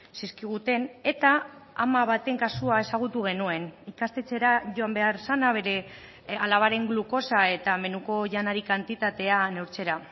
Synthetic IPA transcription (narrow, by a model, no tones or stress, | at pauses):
siskiɣ̞ut̪e̞ne̞t̪aamaβ̞at̪e̞ŋkasuae̞saɣ̞ut̪uɣ̞e̞nue̞nikast̪e̞t͡se̞ɾaʝo̞ambe̞aɾsanaβ̞e̞ɾe̞ | alaβaɾe̞ŋɡluko̞sae̞t̪ame̞nuko̞ʝanaɾikant̪it̪at̪e̞ane̞wɾt͡se̞ɾa